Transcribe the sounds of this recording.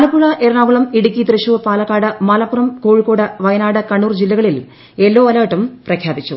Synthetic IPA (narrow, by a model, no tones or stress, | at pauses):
ɐlɐpːuɻɐʔeɾɐɳaːɡuɭɐmiɽukʲːit̪rɨɕuʋpaːlɐkːaːɽɨmɐlɐpːurɐmko̞ːɻikːoːɽɐʋɐjɐnaːɽɨkɐɳːuːrd͡ʑilːɐɣɐɭil | e̞lːo̞ːɐlaːʈːumprɐkʰjaːbit͡ɕːṵ